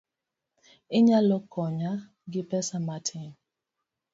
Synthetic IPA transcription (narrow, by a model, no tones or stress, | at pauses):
ɪɲalɔkʰɔɲa | ɡɪpɛsamatʰɪŋ